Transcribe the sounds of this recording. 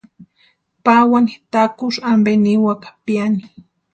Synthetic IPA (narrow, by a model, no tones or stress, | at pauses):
pawani̥t̪akʊʃambeniwakḁpjani